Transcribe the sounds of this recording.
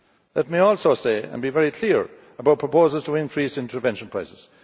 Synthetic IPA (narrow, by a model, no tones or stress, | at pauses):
lɛt̚miɔlˠsoːseɪə̰̃nbivɛɹikʰl̥iəɹ | əbaʊt̚pʰɹ̥əpʰoːzəlˠz̥tʰəɪ̃nkʰɹ̥isɪ̃ntʰə˞vɛ̃nʃə̃n̩pʰɹ̥aɪsɪz̥